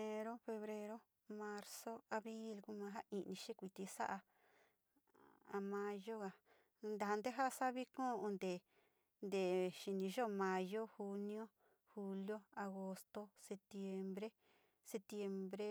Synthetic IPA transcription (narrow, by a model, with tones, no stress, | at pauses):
e˧ɾo˦fe˧βɾe˧ɾo˦ | mã˧ɾso˦a˧βɾi˦lku˦mã˧ɦa˦ʔĩ˧nĩ˧ʃi˦˧kʷi˧t̪i˧sa˦ʔa˧ | a˧mã˧jo˦ɣa˧ | nd̪a˨ɦa˧nd̪e˦ɦa˦˧sa˦βi˦kõ˦˧õ˧nd̪e˨ | nd̪e˨ʃi˧nĩ˧ʒo˦˧mã˧jo˦hu˧nĩ˦o˦ | hu˧ljo˦a˧ɣo˧st̪o˧se˧t̪je˧mbɾe˦ | se˧t̪je˧mbɾe˦